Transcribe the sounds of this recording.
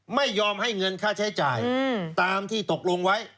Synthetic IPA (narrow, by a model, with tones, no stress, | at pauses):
ma˥˩jːɔː˧mha˥˩jŋɤ˧nkʰaː˥˩t͡ɕʰa˦˥jt͡ɕa̰ː˨˩jt̪aː˧mt̪ʰiː˥˩t̪o˨˩k̚lo˧ŋwa˦˥j